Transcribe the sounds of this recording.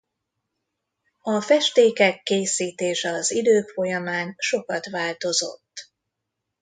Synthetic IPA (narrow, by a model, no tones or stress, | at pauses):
ɒfɛʃt̪eːkɛkːeːsiːt̪eːʃɛɒzid̪øːkfo̞jɒmaːnʃo̞kɒt̪ʋaːlt̪o̞zo̞̰t̪ː